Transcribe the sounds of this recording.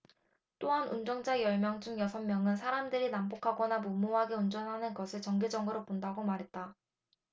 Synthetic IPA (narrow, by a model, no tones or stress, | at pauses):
t͈oɦanʔund͡ʑʌŋd͡ʑajʌɭmjʌŋd͡ʑuŋjʌsʰʌŋmjʌŋɯnsʰaɾamdɯɾinambokʰaɡʌnamumːoɦaɡe̞und͡ʑʌnɦanɯnɡʌsʰɯɭt͡ɕʌŋɡed͡ʑʌŋɡɯɾopondaɡomaɾɦe̞t̚t͈a